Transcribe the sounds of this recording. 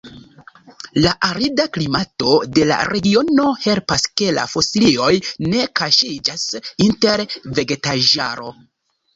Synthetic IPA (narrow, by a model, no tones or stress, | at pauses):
laʔaɾidaklimato̞de̞la̰ɾe̞ɡio̞no̞he̞lpaske̞la̰fo̞silio̞jne̞kaʃid͡ʒasinte̞ɾve̞ɡe̞taʒa̰ɾo̞̰